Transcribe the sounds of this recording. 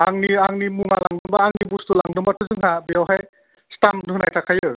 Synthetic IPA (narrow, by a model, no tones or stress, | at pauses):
aŋniaŋnimuŋalaŋdɯmbaːŋnibustulaŋdɯmbatʰuzɯŋɦabijawɦaj | stamdɯhɯnajtʰakʰajɯ